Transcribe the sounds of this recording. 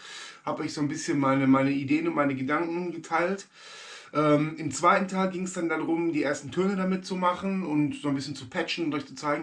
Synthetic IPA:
haːbtɔʏçz̥oːnbɪsçənmaɪnəmaɪnəideːənʊntmaɪnəɡədaŋkŋ̩ɡətʰaɪlt | ʔɛːmʔɪmt͡sv̥aɪtn̩tʰaɪlɡɪŋsd̥andanʁʊmdiːʔeːɐstn̩tʰøɐnədamɪtt͡sumaχn̩ʊntz̥oːnbɪsçənt͡supʰɛt͡ʃn̩ʊntɔçt͡su̥t͡saɪɡŋ̩

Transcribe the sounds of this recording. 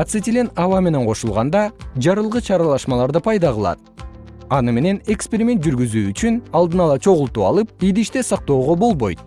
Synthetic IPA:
ɑt̪sɨt̪ʲɪlʲenɑvɑme̞ne̞ɴqʰo̞ʃulˠʁɑnd̪ɑd͡ʒɑɾɯlˠʁɯt͡ʃʰɑɾɑlˠɑʃmɑlˠɑɾd̪ɯpʰɑjd̪ɑʁɯlˠɑ̰t̪̚ | ɑnɯme̞ne̞ne̞kspʲeɾʲimʲe̞t̪̚d͡ʒyɾɡyzyːyt͡ʃynɑlˠd̪ɯnɑlˠɑt͡ʃʰo̞ʁulˠt̪uːɑ̰lˠɯp̚ijd̪iʃt̪e̞sɑq̚t̪o̞ːʁo̞bo̞lˠbo̞̰jt̪̚

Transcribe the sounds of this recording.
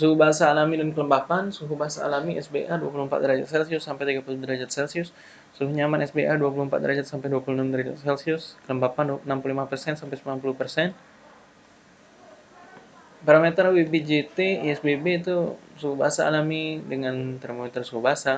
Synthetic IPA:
suɦubaɦasaːlamidankələmbapansuɦubaɦasa̰ːlamiɛsbeʔaduapuluhəmpa̰t̪̚dəɾad͡ʒa̰t̪̚sɛlsiʊsːampɛjt̪iɡapuludəɾad͡ʒat̪̚sɛlsiʊsː | uɦuɲamanɛsbeʔaduap̬uluhəmpat̪̚dəɾad͡ʒat̪̚sampajduapuluhnamd̪əɾad͡ʒat̪sɛlsiʊskələmbapandnampululimapərsɛnsampajsəmpulanpuluhpərsɛn | paɾamet̪ərwebed͡ʒet̪eiɛsbebeit̪usuɦubaɦasa̰ːlamidəŋant̪əɾmomɛt̪ərsuɦubaasa

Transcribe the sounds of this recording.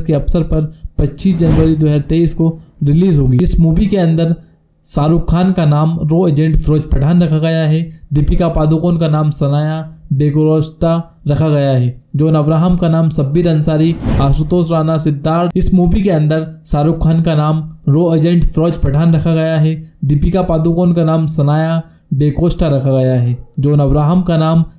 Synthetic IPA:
skeɐpsəɾpɐɾpɐtːʃiːsd͡ʒɐnʋəɾid̪ʊɦɛːɾt̪eiskoɾɪliːzɦoːɡiɪsmuːʋikeɐ̃nd̪əɾ | saːɾʊkʰːaːnkanaːmɾoːeːd͡ʒẽːɳʈfɾɔːd͡ʒpɐʈʰaːnɾɐkʰaɡɐjaɦɛɖɪpikapaːd̪ukoːnkanaːmsɐnaːjaɖeːkoɾɔːsʈa | ɾɐkʰaɡɐjaɦɛːd͡ʒoːnɐʋɾaːɦəmkanaːmsɐbːiɾɐ̃nsaːɾiaːsut̪oːsɾaːnasɪd̪ːaːɾɪsmuːʋikeɐ̃nd̪əɾsaːɾʊkʰːaːnkanaːmɾoːeːd͡ʒẽɳʈfɾɔːd͡ʒpɐʈʰaːnɾɐkʰaɡɐjaɦɛd̪ɪpikapaːd̪ukoːnkanaːmsɐnaːja | ɖeːkoːsʈaɾɐkʰaɡɐjaɦɛːd͡ʒoːnɐʋɾaːɦəmkanaːm

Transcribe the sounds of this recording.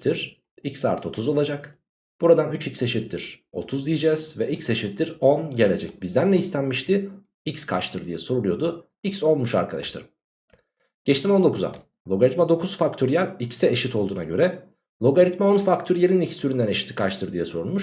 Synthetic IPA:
t̪ʰiɾ̥ | icsa̰ːɾt̪ʰo̞t̪ʰuzo̞lˠad͡ʒak | b̥uɾad̪anyt͡ʃicse̞ʃit̪ʰːiɾ̥o̞̰t̪ʰuzd̪ijid͡ʒɛz̥vɛʔicse̞ʃit̪ʰːiɾo̞nɟe̞lʲe̞d͡ʒɛc̚bizd̪ænlʲɛist̪ʰænmiʃt̪i | icskʰa̰t͡ʃt̪ʰɯɾd̪ijɛso̞ɾulˠujo̞d̪u | icso̞nmuʃa̰ɾkʰad̪a̰ʃt̪ʰa̰ɾɯm | ɟ̥ɛt͡ʃt̪ʰino̞nd̪o̞kʰuza̰ | lˠo̞ɡaɾit̪mad̪o̞kʰuz̥fak̚t̪ʰøɾjæɾʲicsɛeʃit̪ʰo̞lˠuːnaɟø̞ɾɛ | lˠo̞ɡaɾit̪mao̞nfakt̪ʰøɾjelʲinicst̪yɾynd̪æne̞ʃi̥t̪ʰi̥kʰaʃt̪ʰɯɾd̪ijɛsoɾunˠmuʃ

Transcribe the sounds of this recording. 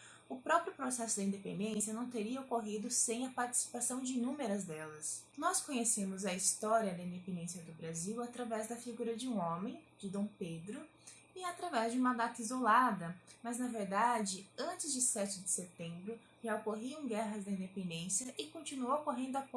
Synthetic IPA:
ʊpɾɔpɾjʊpɾosɛsʊd̪ɪĩd̪epḛ̃nd̪ẽsjɐnɐ̃w̃t̪eɾiɐokoɦid̪ʊsẽj̃ɐpaɾt͡ʃɪ̥si̥pasɐ̃w̃d͡ʒɪnũmeɾɐzd̪ɛlɐsnɔskõɲesẽmʊzɐist̪ɔɾiɐd̪ɐĩd̪epẽnd̪ẽsjɐd̪ʊbɾaziwat̪ɾavɛzd̪ɐfiɡuɾɐd͡ʒɪũõmẽj̃d͡ʒɪd̪õw̃ped̪ɾʊ | ɪat̪ɾavɛzd͡ʒɪũmɐd̪at̪ɐizolad̪ɐmɐznɐveɾd̪ad͡ʒɪɐ̃nt͡ʃɪzd͡ʒɪsɛt͡ʃɪd͡ʒɪset̪ẽmbɾʊ | ʒaokoɦiɐ̃w̃ɡɛɦɐzd̪ɐĩd̪epẽnd̪ẽsjɐʔɪkõnt͡ʃinuowokoɦẽnd̪ʊap

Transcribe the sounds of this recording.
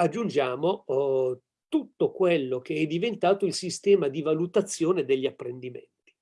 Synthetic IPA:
ad͡ʒːund͡ʒaːmo | t̪ut̪ːokwelːok̟eɛd̪ːivent̪aːt̪oilsist̪ɛːmad̪ivalut̪at̪sːjoːned̪eʎːiapːɾend̪imḛnt̪i̥

